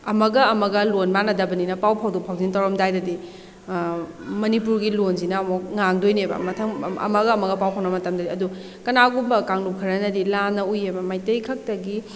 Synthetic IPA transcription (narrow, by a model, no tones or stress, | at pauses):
ɐmɐɡɐɐmɐɡɐlonmanɐdɐbɐninɐpawpʰawdupʰawzintɐwɾɐmdajdɐdi | mɐnipuɾɡilonzinɐmɔk̚ŋaŋdojnebɐ̰mɐtʰɐmɐ̰mɐɡɐːmɐɡɐpawpʰawnɐmɐtɐmdɐdiɐdu | kɐnaɡubɐkaŋlup̚kʰɐɾɐnɐdilanːɐujebɐmajtɐjkʰɐk̚tɐɡi